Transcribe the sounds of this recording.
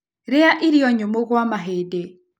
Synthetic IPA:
ɾɪaʔiɾiɔɲomoɣwamaɦedɛ

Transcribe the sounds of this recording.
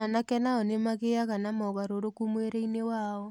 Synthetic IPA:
anakɛnaɔnemaɣeaɣanamɔɣaɾoɾokumweɾeinewaɔ

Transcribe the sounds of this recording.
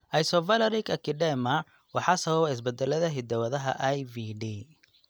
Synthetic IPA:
ʔɐjsɔvɐlɐɾikɐkʰɪɖɛmɐ | wɑħɑsɐβɐβɔɪs̬bɛd̪ɛlɐðɐɦɪd̪ɐwɐðɐɦɐ̰ʔɐjviɖiː

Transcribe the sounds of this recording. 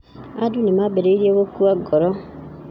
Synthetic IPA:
adunimabeɾeiɾieɣokuaɡɔɾɔ

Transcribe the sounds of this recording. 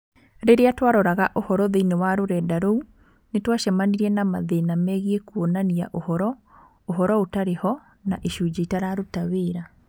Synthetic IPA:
ɾeɾeatwaɾɔɾaɣaʔohɔɾɔðeinewaɾoɾɛdaɾou | netwaʃɛmaniɾɛnamaðeːnamɛːɣiekuonania̰ʔohɔɾɔ | oɦɔɾɔotaɾehɔ | naʔeʃud͡ʑeitaɾaɾotaweːɾa

